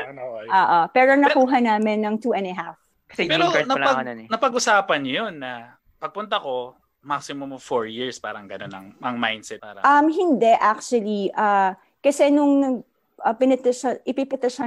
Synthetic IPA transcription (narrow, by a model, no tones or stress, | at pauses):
ʔoːʔopɛːɾonɐkuːɦɐnaːmɪnːɐŋt̪uːʔɛ̃nɐɦaf | kɐsɛpɛonɐɐnɐpɐɡʊsaːpɐnjonːɐ | pɐɡ̚pʊnt̪ɐko̞ | mak̚sɪmomfoɹjiɹspaːɾɐŋɡɐnonɐ̰ŋɐŋmajnd̪sɛt̪aɾɐ̰ʔɐmɦɪnd̪ɛʔak̚t͡ʃwɐliʔaː | kɐsɛnʊŋɐ | ʔɐpɪnɛt̪ɛʃɐʔɪpɪpɐt̪ɐʃɐ